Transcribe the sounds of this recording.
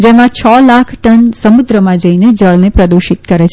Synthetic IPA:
d͡ʒemãt͡ʃʰɔlakʰʈənsəmud̪ɾəmãd͡ʒəined͡ʒəɭnepɾəd̪uʃit̪̚kəɾet͡ʃʰ

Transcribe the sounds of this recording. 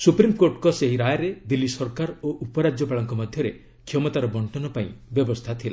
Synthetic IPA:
supɾimkoɾʈɔkɔseɦiɾajaɾed̪ilːisɔɾkaɾoʔupɔɾad͡ʒjɔpaɭɔŋkɔmɔd̪ʱjɔɾe | kʰjɔmɔt̪aɾɔbɔɳʈɔnɔpaĩbjɔbɔst̪ʰat̪ʰila

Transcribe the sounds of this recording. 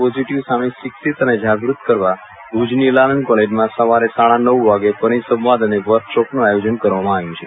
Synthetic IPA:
posiʈiʋsameʃiksit̪əned͡ʒaɡɾut̪kəɾʋa | ɡud͡ʒnilalənkɔled͡ʒmãsəʋaɾesaɭanəʋʋaɡepəɽ̃isə̃mʋad̪əneʋəɾkʃɔpnũajod͡ʒənkəɾʋamãaʋjũt͡ʃʰe

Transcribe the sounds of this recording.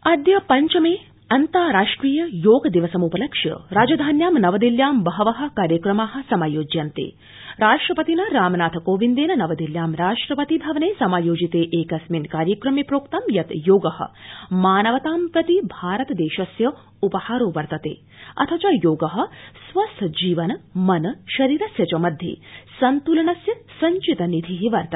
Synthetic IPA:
ɐd̪jɐpɐɲt͡ʃɐmeː | ɐnt̪aːɾaːʂʈɾiːjɐjoːɡɐd̪iʋɐsɐmupɐlɐkʃjɐ̰ɾaːd͡ʒɐd̪ʱaːnjaːmnɐʋɐd̪iljaːmbɐɦɐʋɐɦɐ̆kaːɾjɐkɾɐmaːɦɐ̆sɐmaːjoːd͡ʒjɐnt̪ḛː | ɾaːʂʈɾɐpɐt̪inɐɾaːmnaːt̪ʰɐkoːʋind̪eːnɐnɐʋɐd̪iljaːmɾaːʂʈɾɐpɐt̪ibʱɐʋɐneːsɐmaːjoːd͡ʒit̪eːʔeːkɐsminkaːɾjɐkɾɐmipɾoːkt̪ɐmjɐt̪joːɡɐhɐ̰̆maːnɐʋɐt̪aːmpɾɐt̪ibʱaːɾɐt̪ɐd̪eːʃɐsjɐ | upɐhaːɾoːʋɐɾt̪ɐt̪ḛː | ɐ̰t̪ʰɐt͡ʃɐjoːɡɐɦɐ̆sʋɐsʰd͡ʒiːʋɐnɐmɐnʃɐɾiːɾɐsjɐt͡ʃɐmɐd̪ʱjḛːsɐnt̪uːlɐɳɐsjɐsɐɲt͡ʃit̪ɐnid̪ʱiɦiʋɐɾt̪ɐ

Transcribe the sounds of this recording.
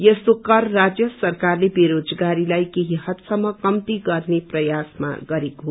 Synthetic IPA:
jʌsokʌrːad͡zjʌsʌrkarlebeɾod͡zɡaɾilajkeɦiɦʌt̪sʌmːʌkʌmt̪iɡʌrneprʌjasma̰ɡʌɾekoɦ

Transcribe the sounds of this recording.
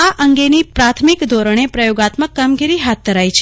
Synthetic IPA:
aʔəŋɡenipɾat̪ʰmikd̪ʱɔɾəɳ̃epɾəjoɡat̪məkːamɡiɾiɦat̪̚d̪ʱəɾajt͡ʃʰe

